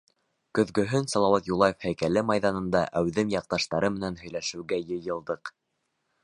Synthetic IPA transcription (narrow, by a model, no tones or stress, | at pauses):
kɵ̆ðɡɵ̆ɦɵnsɑlˠɑwɑt̪julˠɑjefhæjkælɘmɑjðɑnɤ̆nd̪ɑʔæwðɘmjɑq̚t̪ɑʃt̪ɑɾɤmɘ̆nænɦɵ̆jlæʃɘ̆wɡæjɤ̆jɤ̆lˠd̪ɤq